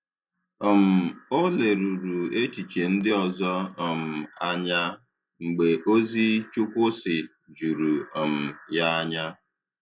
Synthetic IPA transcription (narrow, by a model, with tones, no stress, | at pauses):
ɔ˨m̩˨o˦le˨ɾu˨ɾu˨e˦t͡ʃi˨t͡ʃe˨n̩˦dɪ˦ɔ˨zɔ˦ɔ˨m̩˨a˦ɲa˦ | ŋ͡m̩˨ɡ͡be˨ʔo˦zi˦t͡ʃʊ˦kʷʊ˦sɪ˨ | d͡ʒu˨ɾu˨ɔ˨m̩˨ja˦a˦ɲa˦